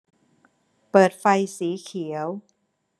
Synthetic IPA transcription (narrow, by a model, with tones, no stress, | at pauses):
pɤː˨˩t̪̚fa˧jsiː˩˦kʰi˩˦ə˦w